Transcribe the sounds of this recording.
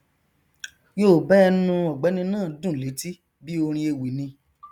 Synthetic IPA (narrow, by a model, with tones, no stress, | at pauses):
joː˦˨bɛ˦˧nũ˧ɔ˨ɡ͡bɛ˨˦nĩ˧nãː˦˨dũ˦˨le˨˦ti˦ | bi˦o˧ɾ̃ĩ˧e˧wi˨nĩ˧